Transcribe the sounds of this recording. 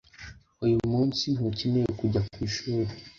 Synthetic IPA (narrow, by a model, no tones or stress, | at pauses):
ujumuːnsinucemejekuɟakwiːʃuːɾe